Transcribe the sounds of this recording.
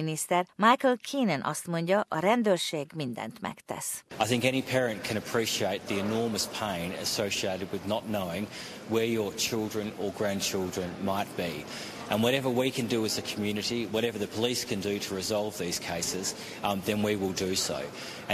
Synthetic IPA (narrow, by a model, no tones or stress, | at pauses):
inist̪ɛrmajkəlkʰiːnɛnʔɒst̪mo̞ɲɟɒʔɒɾɛnd̪øːrʃeːɡmind̪ɛ̰nt̪mɛ̰kt̪ɛ̰saɪθɪ̃ŋkɛñipʰɛɹɨ̃nkʰɨ̃ɾ̃ɨpʰɹ̥iʃieɪt̪̚ðiɨnɔɹmɨspʰẽɪ̃nɨ̰soʊʃieɪɾɨd̚wɨðnətⁿnoʊɪ̃ŋ | wə˞jə˞t͡ʃʰɪlˠdɹɨ̃nə˞ɡɹæ̃nt͡ʃʰɪlˠdɹɨ̃nmaɪt̚b̥i | ʔɨ̃nwʌɾɛvə˞wikʰɨ̃ndɨɨzɨkʰm̩jʉnɨɾiwʌɾɛvə˞ðɨpʰəliskʰɨ̃ndɨɾəɹɨzɑlˠvðiz̥kʰeɪsɪz̥ | ðɨ̃nwiwɪlˠdɨso̰ʊ̃